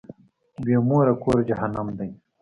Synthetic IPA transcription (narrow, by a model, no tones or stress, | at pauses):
beːmuːɾɐkoːɾd͡ʒɐɦɐnɐmd̪ɐj